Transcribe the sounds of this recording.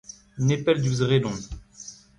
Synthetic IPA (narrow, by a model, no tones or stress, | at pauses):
nepɛld̪yzʁelɔ̃